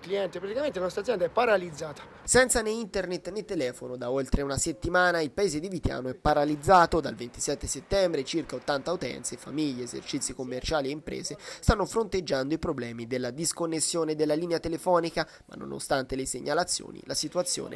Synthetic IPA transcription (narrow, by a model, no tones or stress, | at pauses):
kliɛnt̪epɾat̪ikamẽnt̪elanɔst̪ɾad̪zjɛnd̪aɛpːaɾalid̪zːaːt̪ḁ | sɛnt̪saneint̪ernet̪ːnet̪ːelɛːfonod̪aolt̪ɾeunaset̪ːimaːnailpaeːzed̪ivit̪ja̰ːnoɛpːaɾalid̪zːaːt̪od̪a̰lvent̪i̥sɛt̪ːeset̪ːɛmbɾet͡ʃirkaot̪ːant̪aut̪ɛ̰nt̪sefa̰miʎːeːzḛrt͡ʃit̪sːikomːert͡ʃaːlieimpɾɛ̰ːzest̪anːofɾont̪ed͡ʒːand̪oipɾoblɛːmid̪elːad̪iskonːesːjoːned̪elːaliːneat̪elefɔːnika | ma̰nːo̰no̰st̪ant̪eleseɲːalat̪sːjo̰ːnḭlasit̪uat̪sːjo̰ːnḛ